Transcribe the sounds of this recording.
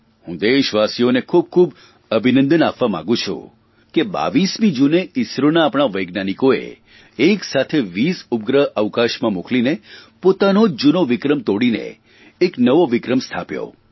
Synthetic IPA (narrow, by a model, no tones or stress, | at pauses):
hũd̪eʃʋasijonekʰub̚kʰub | əbʱinə̃nd̪ənapʋamã̰ɡũt͡ʃʰṵ̃ | keba̰ʋismĩd͡ʒuneɪsɾonaːpɳ̃aʋəjɡnanikoḛ | eksat̪ʰeʋisup̚ɡɾəɦəʋkaʃmãmuklinepot̪anod͡ʒunoʋɪkɾəmt̪oɽinḛː | knəʋoʋɪkɾəmst̪ʰa̰pjo̰